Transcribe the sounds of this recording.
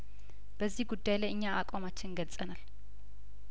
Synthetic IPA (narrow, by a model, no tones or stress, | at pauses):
b̥əzːihɡud̪ːajlajɨɲːaakʷʼamat͡ʃːɪnɡəlsʼənal